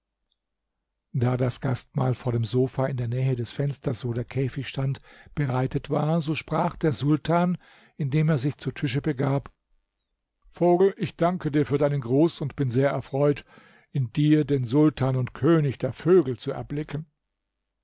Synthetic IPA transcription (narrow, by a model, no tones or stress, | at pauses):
d̥aːdasɡ̥astmaːlfoːɐɾeːmzoːfaɪndeːɐnɛːɦədɛsfɛnstɐsvoːdeːɐkʰɛːfɪçʃtantb̥əʁaɪtətv̥aːɐzoːʃpʁ̥aːχd̥eːɐzʊltʰaːn | ʔɪndeːmeːɐzɪçt͡sutʰʏʃəbəɡaːp | foːɡl̩ʔɪçd̥aŋkədiːɐfyːɐdaɪnənɡʁuːsʊntb̥ɪnzeːɐʔɛɐfʁ̥ɔʏt | ʔɪndiːɐdeːnzʊltʰaːnʊntkʰøːnɪçd̥eːɐføːɡl̩t͡suɛ̰ɐblɪkʰən̩